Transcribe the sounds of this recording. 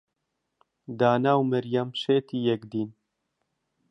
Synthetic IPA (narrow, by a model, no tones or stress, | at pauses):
d̪aːnaːwmɛɾjamʃeːt̪ijɛkd̪iːn